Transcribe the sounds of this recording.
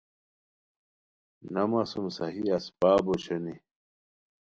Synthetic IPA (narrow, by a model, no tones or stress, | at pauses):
nɐmɐsumsɐɦiɐspaːbot͡ɕʰɐni